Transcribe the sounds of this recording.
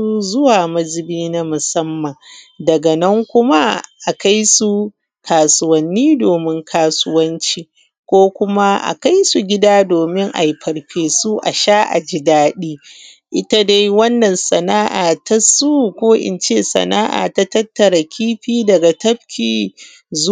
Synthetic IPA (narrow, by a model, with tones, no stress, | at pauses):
u˦zʊ˦waː˨mɐ˦zɪ˨biː˦na˦mʊ˨sɐ˦mːɐ˨ŋ | dɐ˨ɡɐ˨nɐ˦ŋkʷʊ˦ma˦ʔa˨ka˦jsu˨ | kʰaː˨sʊ˦wɐ˨nːiː˦doː˨mɪ˦ŋkʰaː˦sʊ˦wɐ˦nt͡ʃiː˦ | kʷoː˦kʷʊ˦ma˦ʔa̰˨ka˦jsu˨ɡʲɪ˦daː˦doː˨mɪ˦ŋʔa̰˨jɸɐ˨ɽɸeː˨su˦ʔa̰˨ʃaː˦ʔa̰˨d͡ʒɪ˦daː˦ɗiː˦ | ʔɪ˦ta˦da˦jwɐ˦nːɐ˨nsɐ˨naː˦ʔaː˨ta˦su˦kʷoː˦ʔɪ̰˨nt͡ʃeː˦˨sɐ̰˨naː˦ʔa̰ː˨ta˦tɐ˦tːɐ˨ɾa˨kʲiː˦ɸiː˦dɐ˨ɡa˨tɐ˦bkʲiː˨ | z